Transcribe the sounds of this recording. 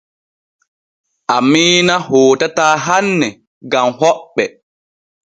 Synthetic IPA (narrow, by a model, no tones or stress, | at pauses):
ʔamiːnahoːtataːɦanːɛ | ɡamhɔɓːɛ